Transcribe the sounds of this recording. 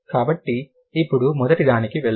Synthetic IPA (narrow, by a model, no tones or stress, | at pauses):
kaːbɐʈːiː | pːuɽumɔd̪ɐʈid̪aːnikiʋeɭ